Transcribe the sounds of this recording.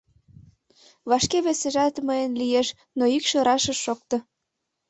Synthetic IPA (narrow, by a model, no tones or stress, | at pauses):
βɑʃkeβeseʒɑt̪məjənlijeʃ | noikʃø̆ɾɑʃə̆ʃok̚t̪ɤ̆